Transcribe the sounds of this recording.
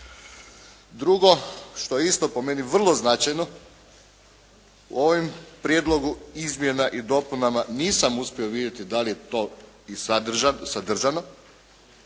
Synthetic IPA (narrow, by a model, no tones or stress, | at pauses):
d̪ɾuɡo̞ʃt̪o̞jeist̪o̞po̞me̞niʋr̩lˠo̞znat͡ʃajno | ṵo̞ʋimpɾjed̪lˠo̞ɡuizmje̞naʔid̪o̞punamaniːsamuspʲjeoʋid̪je̞t̪id̪alije̞t̪o̞ | isad̪ʒasad̪r̩ʒano̞